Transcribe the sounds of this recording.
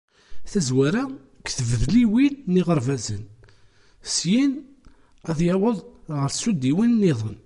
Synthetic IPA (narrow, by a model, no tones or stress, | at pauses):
θæzwæɾæ | kθəvəvliwilːiʁəɾˤvæzən | sjin | æðjɑwəðˤʁəɾsud̪iwinnːiðˤən